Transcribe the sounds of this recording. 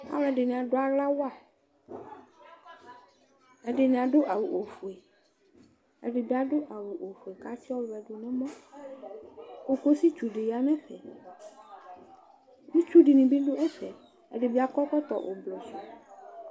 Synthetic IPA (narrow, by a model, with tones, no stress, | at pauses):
a̰˨˦wɛ̃˨˦ɖe˨nĩ˨a˨ɖo˦a˨la˦wa˦˨ | ɛ˦ɖe˨nĩ˨a˨ɖo˦ʔa˨wu˨ʔo˨fu˨e˨ | ḛ˦ɖe˨bi˦a˨ɖo˦ʔa˨wu˨ʔo˨fu˨e˨ka˦si˦ɔ˦vɛ˨ɖo˨nɛ̃˦mɔ̃˦ | o˦ko˦si˦t͡ʃu˨ɖe˨ja˦nɛ̃˦ɸɛ̰˨ | bi˦t͡ʃu˦ɖi˨nĩ˨bi˦ɖo˦ɛ˦ɸɛ˨ | ḛ˨ɖe˨bi˦a˨kɔ˦kɔ˦t̪ɔ̰˨ʔo̰˨blɔ˨su˨